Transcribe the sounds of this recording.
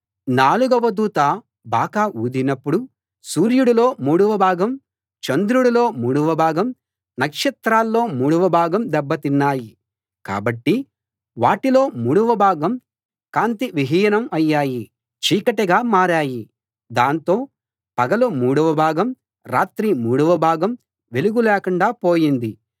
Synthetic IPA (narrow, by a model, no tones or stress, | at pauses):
naːluɡɐʋɐd̪uːt̪aː | baːkaːʔuːd̪inɐpːuɽu | suːɾjuɽulo̞ːmuːɽuʋɐbʱaːɡɐm | t͡ʃɐnd̪ɾuɽulo̞ːmuːɽuʋɐbʱaːɡɐm | nɐkʂɐt̪ɾaːlːo̞ːmuːɽuʋɐbʱaːɡɐmd̪ɛbːɐt̪inːaːji | ka̰ːbɐʈːi | ʋaːʈilo̞ːmuːɽuʋɐbʱaːɡɐm | kaːnt̪iʋiɦiːjɐnɐmɐjːaːji | t͡ʃiːkɐʈɐɡaːmaːɾaːji | d̪aːnt̪o̞ː | pɐɡɐlumuːɽuʋɐbʱaːɡɐm | ɾaːt̪ɾimuːɽuʋɐbʱaːɡɐm | ʋe̞luɡulɛːkuɳɖaːpoːjind̪i